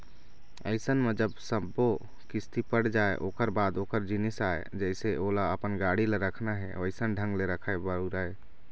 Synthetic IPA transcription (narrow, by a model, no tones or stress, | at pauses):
əɪsənmed͡ʒəbsəbo | kɪst̪ipəɽ̤d͡ʒaːḛʔoːkəɾbaːd̪oːkəɾd͡ʒinisaːḛd͡ʒɛɪseʔolaəpənɡaɽileɾəkʰnaɦɛəɪsənɖʱə̃ŋɡleɾəkʰaebəɽuɾae